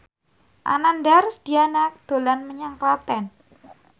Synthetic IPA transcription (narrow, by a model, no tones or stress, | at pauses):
ʔa̰nandarsd̪̥ianak̚d̪̥o̤lanməɲaŋkɾɔt̪ɛn